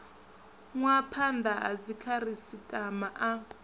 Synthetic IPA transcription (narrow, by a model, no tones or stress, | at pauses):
ŋwapʰandaɦa̰d͡zikʰaɾisitʼamaʔa